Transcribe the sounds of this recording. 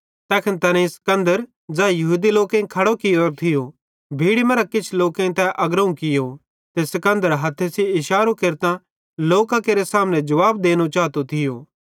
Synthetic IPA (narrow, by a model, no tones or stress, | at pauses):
t̪ɛːkʰɪnt̪ɐːnẽsɐ̥kɐ̃nd̪əɾ | d͡zaːjɐɦuːd̪iloːkẽkʰɐɽokɪjoːɾt̪ʰɪjo | bʱiːɽimɐ̃ɾakɪt͡ʃʰloːkẽt̪ɛ̃ʔɐɡɾəũkɪjo | t̪esɐkɐ̃nd̪əɾɦɐt̪ʰːesiɪʃaːɾokeːɾt̪ã | loːkãkeːɾesaːmnẽd͡ʒɐʋaːbd̪eːñut͡ʃaːt̪ot̪ʰɪjo̰ː